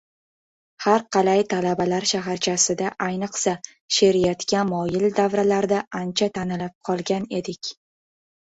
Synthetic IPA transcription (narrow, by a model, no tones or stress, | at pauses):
haɾqʰɑlajt̪ʰalabalaɾʃaɦaɾt͡ʃʰasɪd̪aʔajnɨqsa | ʃeɾijat̪kʲamɒjɪld̪avɾalaɾd̪aʔant͡ʃʰat̪ʰanɪlap̚qʰɒlˠɡʲane̞d̪ɪkʲ